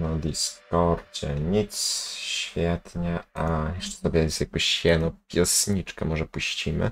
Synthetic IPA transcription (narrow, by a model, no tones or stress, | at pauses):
nad̪ʲiskɔɾt͡ɕɛɲit̪sɕfʲjɛt̪ɲɛʔajɛʂɛ̥sɔbʲɛjɛst̪jakɔɕɛnɔpʲjɛsɲit͡ʂkamɔʐɛpuɕt͡ɕimɘ̰